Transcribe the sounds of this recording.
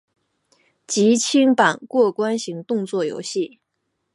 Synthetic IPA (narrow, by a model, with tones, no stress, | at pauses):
t͡ɕi˧˥t͡ɕʰi˥ŋpa˨˩nkwɔ˥˩kwa˥nɕi˧˥ŋt̪ʊ˥˧ŋt͡swɔ˥˩jo̰˧˥ʊɕi˥˩